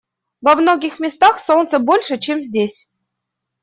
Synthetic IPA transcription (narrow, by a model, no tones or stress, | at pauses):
vəvnoɡʲɪxmʲɪst̪axsolt̪səbolʲʂət͡ɕemzʲdʲesʲ